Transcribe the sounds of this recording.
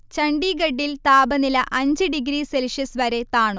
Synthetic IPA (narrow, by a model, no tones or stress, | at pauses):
t͡ɕɐɳɖiɡɐɖːilt̪aːbɐnilɐʔɐɲd͡ʑɨɖiɡɾiːselʂɐsʋɐɾe̞t̪aːɳo